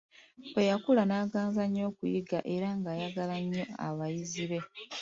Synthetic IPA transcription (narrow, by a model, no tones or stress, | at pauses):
βwe̞jakulanaːɡaːnzaɲːo̞ːkujiɡa̰ʔe̞ɾaŋɡaːjaɡalaɲːo̞a̰βajiziβe̞